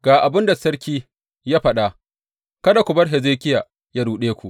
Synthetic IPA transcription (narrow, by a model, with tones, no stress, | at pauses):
ɡ̥aː˨ʔa˨bɪ˦nda˨sɐ˦ɽkʲiː˦ | jaː˦ɸɐ˦ɗa˦ʔ | kɐ˦da˨kʷʊ˨bɐ˦rɦɛ˨zeː˦kʲɪ˦jaː˨ | jaː˦ɽuː˨ɗeː˦kʷu˨ʔ